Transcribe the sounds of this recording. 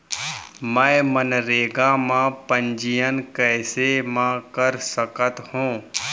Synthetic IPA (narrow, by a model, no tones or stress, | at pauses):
mɛ̃mənɾeːɡamãpə̃ɲd͡ʒijənkɛːsemãkəɾsəkət̪hũː